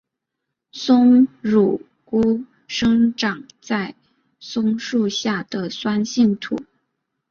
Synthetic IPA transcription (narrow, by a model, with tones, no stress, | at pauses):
sʊ˥ŋɻu˨˩ | ku˥ | ʂɤ˥ŋʈ͡ʂɑ˨˩ŋ | t͡sa˥˩ɪ | sʊ˥ŋʂu˥˧ɕja˥˩d̪̥ə˩swa˥nɕi˥˩ŋt̪ʰṵ˨˩˦